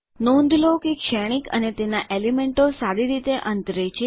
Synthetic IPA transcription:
nõnd̪ʱlokekʃɛɽ̃ikə̰net̪enaʔelimeɳʈosaɾiɾit̪eʔə̃nt̪ɾet͡ʃʰe

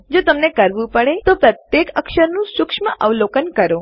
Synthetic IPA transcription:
d͡ʒot̪əmnekəɾʋũpəɭet̪opɾət̪jekəkʃəɾnũʃʊkʂməʔəʋlokənkəɾo

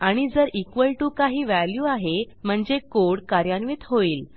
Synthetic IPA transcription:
aɽ̃id͡zəɾikʋəlʈuːkaɦiːʋæljuːaɦe | m̤əɳd͡zekoɽkaɾjanʋiːt̪ɦoiːl

